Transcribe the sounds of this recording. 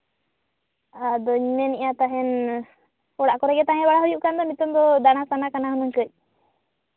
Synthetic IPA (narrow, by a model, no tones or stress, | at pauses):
ad̪ɔiɲmɛniʔat̪aɦɛn | ɔɽaʔkɔɾɛɡɛt̪ãɦɛbaɽaɦɔjuʔkand̪ɔmit̪ɔmd̪ɔd̪añasanakanaɦɔnɔŋkəc̚ˀ